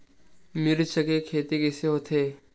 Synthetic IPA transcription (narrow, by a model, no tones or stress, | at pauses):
meːɾet͡ʃəɡekʰeːt̪ikɛːseɦoːt̪ʰeː